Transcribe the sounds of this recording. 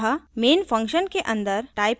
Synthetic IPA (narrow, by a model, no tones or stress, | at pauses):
ameːnfʰɐ̃ŋkʃənkeʔɐ̃nd̪əɾʈaːɪp